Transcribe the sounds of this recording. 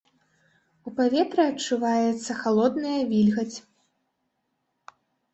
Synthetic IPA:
upavʲɛt̪ɾɨɐt͡ʂːuvajɛt̪sːɐxalˠɔd̪nɐjɐvʲilʲɣɐt͡sʲ

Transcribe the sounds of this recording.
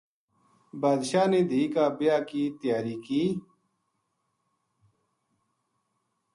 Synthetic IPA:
baːd̪ʃaːneːd̪ʱiːkaːbijaːkiːt̪jaːɾiːkiː

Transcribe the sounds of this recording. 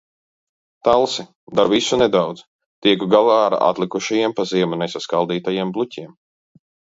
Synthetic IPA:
t̪alˠsi | d̪aɾvisunɛd̪awd̪z̥ | t̪iɛkuɡalˠaːɾa̰ʔa̰t̪lˠikuʃajiɛmpaziɛmunɛsaskalˠd̪iːt̪ajiɛmblˠucʲiɛm

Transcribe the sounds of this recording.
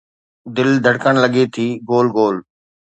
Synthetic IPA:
d̪ɪld̪ʱəɽkəɽ̃lɐɡet̪ʰiːɡoːlɡoːl

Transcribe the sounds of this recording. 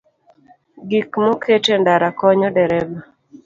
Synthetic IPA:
ɡikmokʰetendaɾakɔɲɔdɛɾɛba

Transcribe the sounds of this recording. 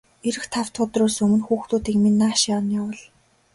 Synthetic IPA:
eɾɘ̆xt̪ʰaw̥t̪ʰʊt̪rʊːsɵmɵ̆nxuːxt̪ʰuːt̪iːkminːaːʃjawnjawə̆ɮ

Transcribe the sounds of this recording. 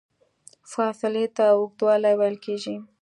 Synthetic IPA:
fɑsɪlet̪awʊk̚t̪wɑlajwajlkeʒi

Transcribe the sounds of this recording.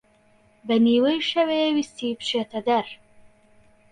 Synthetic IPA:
baniwəjʃawewist̪ipʃet̪ad̪aɾ

